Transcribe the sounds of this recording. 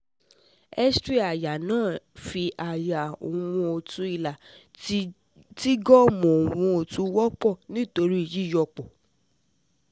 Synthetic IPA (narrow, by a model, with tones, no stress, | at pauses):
ɛ˦stɾi˦a˨ja˨nãː˦˨fi˧ʔa˨ja˨o̰˨w̃ɔ̃˧o˧tu˧i˧la˨ | ti˦ɡɔ˦mɔ̃˨o˨w̃ɔ̃˧o˧tu˧˦wɔ˦k͡pɔ˦˨nĩ˦˨to˧ɾi˦i˦˨ji˨˦˨jɔ˧˨k͡pɔ˨